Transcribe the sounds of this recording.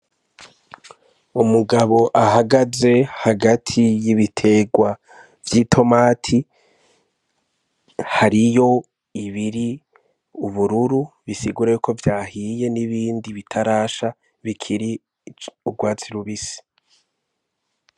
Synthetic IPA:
umuɡaβo̞ʔahaɡaze̞haɡatʰijiβitʰe̞ɡwa | vjiːtʰo̞maːtʰi | haɾijo̞ | iβiɾi | uβuɾuɾuβisiɡuɾajuko̞vjaːhije̞niβiːndiβitʰaɾaːʃa | βikʰiɾi | uɡwaːt͡siɾuβisi̥

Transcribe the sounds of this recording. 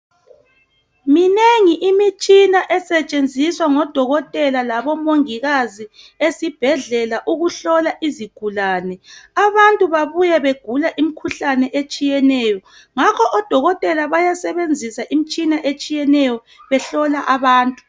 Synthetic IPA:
mineŋiʔimit͡ʃʼinaʔɛsɛt͡ʃʼend͡zʱiswaŋɔd̥ʱɔɣɔtʼɛlalaβɔmoŋiɣazi | esib̥ʱɛɮɛlaʔuɣuɬɔlaʔiziɡ̥ʱulaːnɛaβantʼuβaβujaβeɡ̥ʱulaʔim̩kʰuɬanɛʔet͡ʃʼijɛnɛːjɔ | ŋakʰɔʔɔd̥ʱɔɣɔtʼɛlaβajasɛβend͡zʱisaʔimit͡ʃʼinaʔet͡ʃʼijɛnɛjɔ | βɛɬɔlaʔaβaːntʼu̥

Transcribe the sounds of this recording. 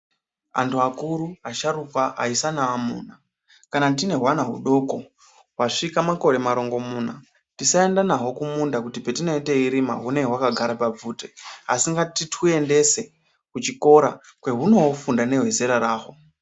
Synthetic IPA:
a̰ntuakuɾuaʃaɾukwaʔa̰isanaːmṵːna | kanatine̞ɦwanaɦṵɗo̞ko̞ | waʂikamako̞ɾe̞maɾo̞ŋɡo̞muːna | tisae̞ndanaɦo̞kumundakutipe̞tino̞ite̞iɾima̰ɦune̞wakaɡʱaɾapab͡vuːtea̰siŋɡatitʰue̞nde̞se̞ | kut͡ʃiko̞ɾa | kwe̞ɦuno̞wofundane̞ɦweze̞ɾaɾaːɦo

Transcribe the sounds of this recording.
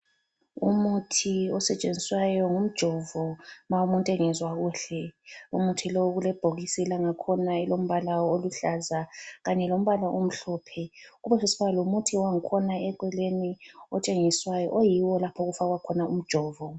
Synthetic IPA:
umutʰiɔsɛt͡ʃʼend͡zʱiswajɔŋum̩d̥ʒ̥ʱɔvɔmaumuntʼɛŋɛzwaɣuɬɛumutʰiloɣulɛb̥ʱoɣisilaŋakʰɔnaɛlom̩βalaoluɬazaɣaɲɛlom̩βalaʔom̩ɬɔpʰɛɣuβɛsesi̥βalɔumutʰiwaŋ̩kʰɔnaɛǃwɛleniɔ̰t͡ʃʼeŋiswajɔ̰ʔojiwɔlapʰoɣufaɣwakʰɔnaum̩d̥ʒ̥ʱɔːvɔ

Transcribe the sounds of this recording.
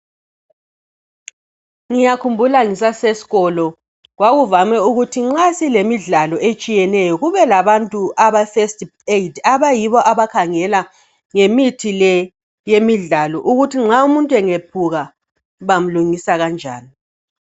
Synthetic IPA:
ŋijakʰumbʱulaŋisasesi̥ɣɔlɔ | ɣwaɣuvamɛuɣutʰiŋ͡ǁasilemiɮalɔʔet͡ʃʼijɛnɛjɔɣuβɛlaβantʼuʔaβafesteidaβajiβɔʔaβakʰaŋɛla | ŋemitʰilɛ | jemiɮalɔʔuɣutʰiŋ͡ǁaumuntʼwɛŋep̚ʰuɣa | βam̩luŋisaɣand͡ʒʱa̰ːni

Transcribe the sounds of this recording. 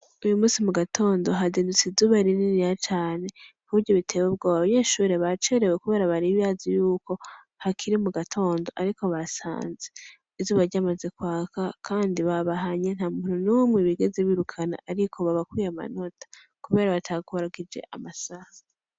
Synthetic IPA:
ujumuːsimuɡatʰo̞ːndo̞ɦaziːndut͡sizuβaɾininijat͡ʃaːne̞kuβuɾɟoβitʰe̞web̚ɡoːwaβaɲe̞ʃuːɾe̞βat͡ʃeɾe̞we̞kuβe̞ːɾaβaɾiβijazijuːko̞ | hakʰiɾimuɡatʰo̞ːndo̞ʔaɾiko̞βasa̰ːnze | izuβaɾɟamaze̞kwaːkʰakʰaːndiβaβaɦaɲe̞n̥haːmuhununumŋeβiɡe̞zeβiɾukʰana̰ʔaɾikʰo̞βaβakwijama̰no̞tʰḁ | kuβe̞ːɾaβatʰakuβaɾaɡid͡ʒe̞̰ʔa̰masaha

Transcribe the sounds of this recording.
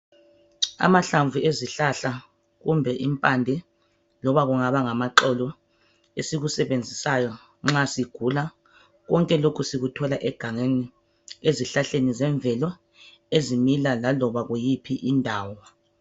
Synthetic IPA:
a̰maɬaɱvʱueziɬaɬa | ɣumbʱɛʔimpʼandʱɛ | lɔβaɣuŋaβaŋamaǃɔlɔ | esiɣusɛβend͡zʱisajɔ | ŋ͡ǁasiɡ̥ʱula | ɣɔŋkʼɛlokʰusiɣutʰɔlaʔɛɡ̥ʱaŋeni | eziɬaɬenizɛɱb̪vʱɛlɔ | ezimilalalɔβaɣujipʰiʔindʱaːwɔ

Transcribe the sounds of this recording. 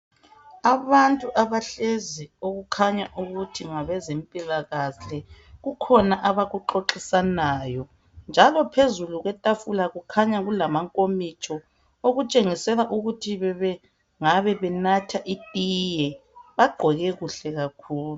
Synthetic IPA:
aβantʼuʔaβaɬezioɣukʰaɲaʔuɣutʰiŋaβɛzempʼilaɣaɬɛɣukʰɔnaʔaβaɣuǃoǃisanaːjɔ | nd͡ʒʱalɔpʰezuluɣwɛtʼafulaɣukʰaɲaɣulamaŋkʼomit͡ʃʰʼɔ | oɣut͡ʃʼeŋisɛlaʔuɣutʰiβɛβɛ | ŋaβɛβɛnatʰaʔitʼijɛβaɡ͡ǃʱɔɣɛɣuɬɛɣakʰuːlu

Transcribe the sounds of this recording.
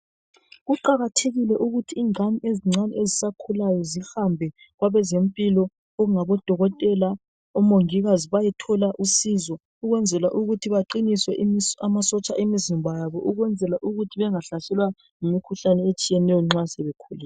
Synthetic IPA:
ɣuǃaɣatʰeɣilɛʔuɣutʰiːŋʱanieziŋ͡ǀʱanɛezisakʰulajɔzihambʱɛ | ɣwaβɛzempʼilɔ | ɔɣuŋaβɔd̥ʱɔɣɔtʼɛla | ɔmoŋiɣaziβajitʰɔlaʔusizɔ | uɣwɛnd͡zʱɛlaʔuɣutʰiβaǃiniswɛʔamasɔt͡ʃʼaʔemizimbʱajaβɔʔuɣwɛnd͡zʱɛlaʔuɣutʰiβɛŋaɬasɛlwa | ŋumikʰuɬanɛet͡ʃʼijɛnɛjɔŋ͡ǁasɛβekʰulɛːɛ

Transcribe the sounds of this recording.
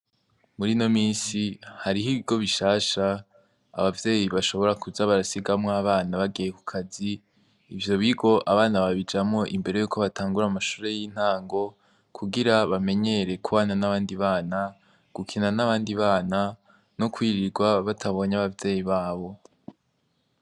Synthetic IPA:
muɾino̞miːnsihaɾiɦiβiɡo̞βiʃaːʃa̰ː | βavje̞ːjiβaʃo̞βo̞ɾakuzaβaɾasiɡamŋaβaːnaβaɡijeku̥kʰaziː | vjo̞βiɡo̞ʔaβaːnaβaβid͡ʒamŋo̞ʔimbe̞ɾe̞juːkʰo̞βatʰaːŋɡuɾamaʃuːɾe̞jiːn̥haːŋɡo̞ | kʰuɡiɾaβame̞ɲe̞ɾe̞kuβaːnanaβaːndiβaːna | ɡ̥ukʰinanaβaːndiβaːna | nokwiːɾiɡwaβatʰaβo̞ːɲaβavje̞ːjiβaːβo̞

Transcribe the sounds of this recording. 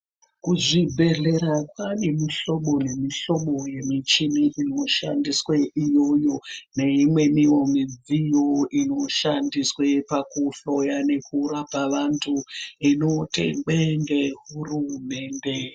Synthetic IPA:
kuʐibʱe̞ɮe̞ɾakane̞miɬo̞ɓo̞ne̞miɬo̞ɓoje̞mit͡ʃiniʔino̞ʃa̰ndisweʔijo̞jo̞ne̞imwe̞miwo̞mid͡zijo̞ino̞ʃandiswe̞pakuɬo̞jane̞kʰuɾapaʋantʰuinotḛŋɡ͡bendeɦurume̞ːnde̞

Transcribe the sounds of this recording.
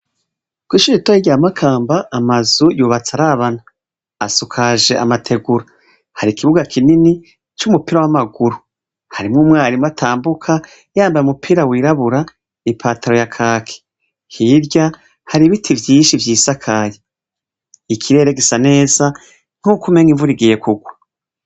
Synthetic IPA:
kwiʃuitojiɟaamakʰaːmbaʔːmazujuːβat͡saɾaβanaː | sukʰaʒe̞ʔa̰matʰe̞ɡuɾa | haɾikiβuɡakʰinini | t͡ʃumupiɾawamaɡuɾu | haɾimŋuːmŋaːɾimwatʰaːmbukʰa | jaːmbajumupʰiːɾawiːɾaβuɾa | ipʰaːtʰaɾo̞jakʰaːkʰe̥ | hiɾɟa | haɾiβitʰivjiːʃivjiːsakʰaje | ikʰiɾe̞ɾe̞ɡisane̞ːza | n̥hukume̞ŋɡiɱvuɾiɡije̞kuɡwa

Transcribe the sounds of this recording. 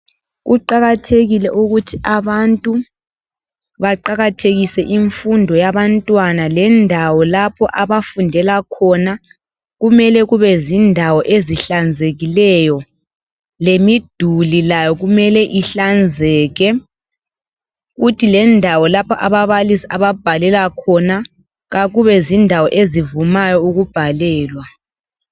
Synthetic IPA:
ɣuǃaɣatʰeɣilɛʔuɣutʰiʔaβantʼu | βaǃaɣatʰeɣisɛʔiɱfundʱɔjaβantʼwanalɛndʱawɔlapʰɔʔaβafundʱɛlakʰɔna | ɣumɛlɛɣuβɛzindʱawɔʔeziɬand͡zʱeɣilɛjɔ | lemid̥ʱulilajɔɣumɛlɛʔiɬand͡zʱɛːɣɛ | ɣutʰilɛndʱawɔlapʰɔʔaβaβalisiaβab̥ʱalɛlakʰɔna | ɣaɣuβɛzindʱawɔʔezivumajɔuɣub̥ʱalɛːlwa

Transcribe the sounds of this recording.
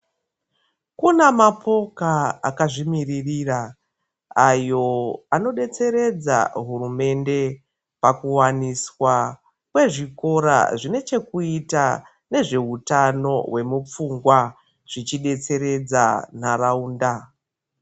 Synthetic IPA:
kunamapʰo̞kaa̰kaʐimiririra | ajo̞ano̞ɗe̞t͡se̞ɾe̞d͡za̰ɦurume̞nde̞ | pakuwaniswa | kwe̞ʐiko̞ɾa̰ʐine̞t͡ʃe̞kuita | ne̞ʐe̞ɦutano̞̰ɦwe̞mup͡fuŋɡwa | ʐ̥it͡ʃiɗe̞t͡se̞ɾe̞d͡za̰narauːnda

